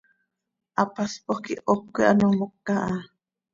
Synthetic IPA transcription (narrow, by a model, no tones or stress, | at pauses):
ʔapaspoχkiʔʔokːiʔanomokːaʔa